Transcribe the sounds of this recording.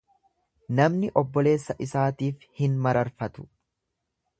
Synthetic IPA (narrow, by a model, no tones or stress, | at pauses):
nɐmnɪʔɔbːɔle̞ːsːɐʔɪsaːt̪iːfhɪnmɐɾɐɾfɐt̪ʊ̥